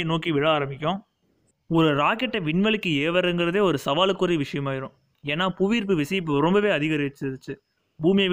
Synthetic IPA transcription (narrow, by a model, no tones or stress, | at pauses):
ɐnoːkiʋɪɻɐaːɾɐmbɪkʲːʊ̃ | ɔɾɯɾaːkɛʈːɐʋɪnʋɐɭɯkːɯeːʋɐɾɯŋɡɪɾɐðeːɔɾɯsɐʋaːlɯkːʊɾɐʋɪʂɐjɐmaːɪɾʊ̃ː | eːnːaːpʊʋiːɾp̬ɯʋɪsɐjɪp̬ːɯɾɔmbɐʋeːɐðɪɣɐɾɪɐt͡ʃːɯðɯt͡ʃːɯ | buːmɪjɐ